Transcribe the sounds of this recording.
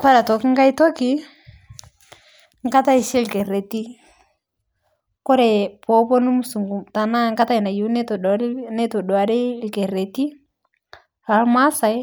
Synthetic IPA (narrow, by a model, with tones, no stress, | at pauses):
kwa˦ɾa˨tɔ˨ki˦ŋɡa˦i˦tɔ˦ki˦ | ŋka˦ta˦i˨ʃɛ˦˨lkɛ˨ɾe˨ti˦ | kɔ˦ɾɛ˨pɔ˨˦pɔ˦nu˦m˨su˨ŋɡu˨ta˨na˦ŋka˦ta˦i˨na˨ju˨˦nɛ˦tɔ˨dɔ˨˦nɛ˦tɔ˨dwa˨ɾi˦lke˨ɾe˨ti˦ | a˨ɾma˦sa˨˦